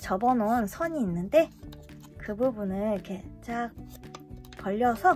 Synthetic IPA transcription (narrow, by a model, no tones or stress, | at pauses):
t͡ɕʌbʌnonsʰʌɲiːnːɯnde̞ | kɯbubunɯɭked͡ʑʰak̚ | pʌʎːʌsʰʌ